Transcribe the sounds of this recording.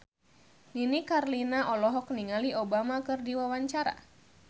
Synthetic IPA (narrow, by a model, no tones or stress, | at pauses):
ninikarlinaʔɔlɔɦɔk̚niŋaliobamakɨrdiwawaɲt͡ʃaɾa̰